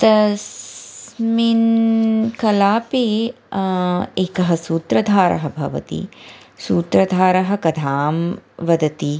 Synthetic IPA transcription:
t̪ɐs | min | kɐlaːpi | eːkɐɦɐsuːt̪ɾɐd̪ʱaːɾɐ̰ɦɐbʱɐ̰ʋɐ̰t̪ḭ | suːt̪ɾɐd̪ʱaːɾɐɦɐ̆kɐd̪ʰʱaːmʋɐd̪ɐt̪i

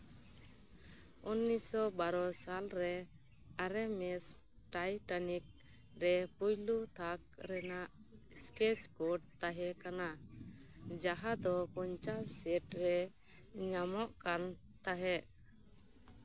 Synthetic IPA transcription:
unːisɔbaɾɔsalɾɛ | aɾɛmɛs | ʈajʈanik̚ | ɾɛpujlut̪ʰak̚ɾɛnaʔ | skɛskɔɖt̪aɦɛkana | d͡ʒaɦad̪ɔkɔɲt͡ʃasɛʈɾɛ | ɲamɔʔkan | t̪aɦɛ

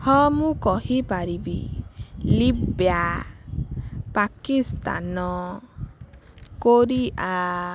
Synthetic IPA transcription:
hɔmũkɔhipaɾibḭ | libja | pakist̪a̰nɔ | koɾiʔa

